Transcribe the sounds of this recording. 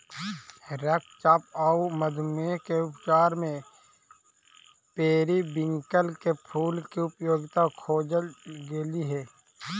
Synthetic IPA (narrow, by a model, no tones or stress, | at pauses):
ɾək̚t͡ʃaːpauməd̪ʱmekeʊpt͡ʃaːɾmẽ | peːɾibɪ̃ŋkəlkepʰuːlkiʊpjoːɡɪt̪akʰoːd͡ʒəlɡeliɦɛː